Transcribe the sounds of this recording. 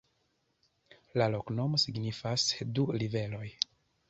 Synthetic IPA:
lalo̞kno̞mo̞siɡnifasdulive̞lo̞j

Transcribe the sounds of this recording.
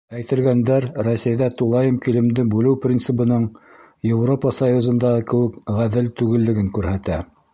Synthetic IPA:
æjt̪ɘ̆lɡænd̪æɾrosʲæjðæt̪ulˠɑjɤmkilɘ̆md̪ɘbʉlɘwprʲint̪sɘ̆pɤ̆nɤɴ | jewropəsɐjuzɤ̆nd̪ɑʁɤkɘ̆wɘkʁæðɘlt̪ʉɡɘ̆lːɘ̆ɡɘŋkʉɾhæt̪æ

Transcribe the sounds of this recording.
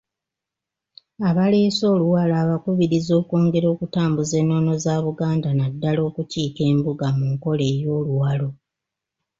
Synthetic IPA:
aβale̞ːso̞ːluwalaːβakuβiɾizo̞ːkoːŋɡe̞ɾo̞ːkutaːmbuze̞nːo̞no̞zaːβuɡaːndanadːalo̞ːkuciːke̞ːmbuɡamuŋko̞le̞ːjo̞ːluwalo̞

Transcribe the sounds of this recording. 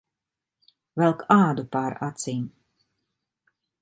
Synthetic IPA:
vɛlˠkaːd̪upaɾat̪sim

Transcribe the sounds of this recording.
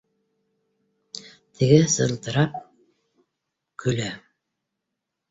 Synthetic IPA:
t̪ʰɘ̆ɡɘsɤ̆lˠt̪ɤ̆ɾɑp̚ | kʰɵ̆læ

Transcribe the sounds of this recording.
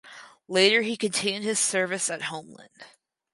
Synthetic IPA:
leɪɾə˞ikɨ̃ntʰɪ̃d̚ɨz̥sɜ˞vɨsɨt̚hõʊ̃mlə̰̃nd̥

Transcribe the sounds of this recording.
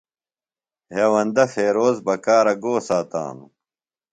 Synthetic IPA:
ɦewɐnd̪ɐfeːɾoːzbɐkaːɾɐɡoːsaːt̪a̰ːnu

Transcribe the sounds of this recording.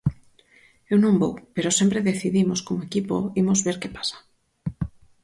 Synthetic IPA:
ewnõŋbowpeɾosempɾeðeθiðimoskomoekipo̰imozβeɾkepḁsḁ

